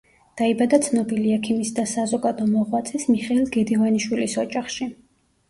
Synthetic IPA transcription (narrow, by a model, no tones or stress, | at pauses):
d̪̥aibad̪at̪sʰnɔbiliɛkʰimisd̪asazɔɡad̪ɔmɔʁwat̪sʰʼɛsmiχɛilˠɡɛd̪ivaniʃwilisɔd͡ʒʼaχʃi